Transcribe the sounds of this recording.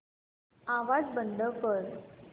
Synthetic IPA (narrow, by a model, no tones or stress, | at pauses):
aʋad͡zbənd̪əkəɾ